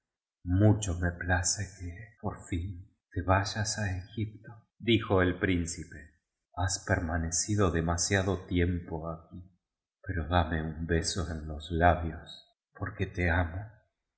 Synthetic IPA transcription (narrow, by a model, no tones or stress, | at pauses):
mut͡ʃo̞meplasekepoɾfin | t̪eβaʒasaexip̚t̪o | d̪ixo̞elpɾinsipe | aspeɾmanesiðo̞ðemasjaðot̪jempoaki | pe̞ɾo̞ðameumbe̞soenlo̞slaβjos | poɾket̪eamo